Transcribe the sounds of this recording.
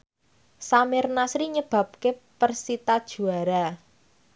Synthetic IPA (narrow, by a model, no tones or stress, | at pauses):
samɪrnasɾiɲəb̥ä̤p̚kepərsit̪ad̥ʒ̥ṳaɾa